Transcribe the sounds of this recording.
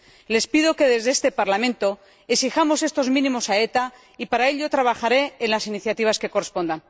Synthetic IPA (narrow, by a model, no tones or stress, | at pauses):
le̞spiðo̞ke̞ðe̞zðest̪e̞paɾlamẽnt̪o̞ | esixamo̞se̞st̪o̞zmĩnĩmo̞sae̞t̪a | ipaɾae̞ʎʝo̞t̪ɾaβaxaɾe̞ːnlasiniθjat̪iβaske̞ko̞respo̞nd̪an